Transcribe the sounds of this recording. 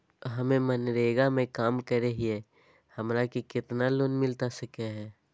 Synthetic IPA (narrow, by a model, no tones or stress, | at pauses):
ɦɐmẽmənɾeːɡamẽkaːmkəɾeɦiɛ | hɐmɾakekɪt̪naloːnmɪlt̪asəkeɦɛː